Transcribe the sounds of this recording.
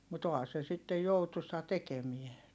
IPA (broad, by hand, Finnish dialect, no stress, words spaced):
mut ohɑ se sitːej joutusɑ tekemie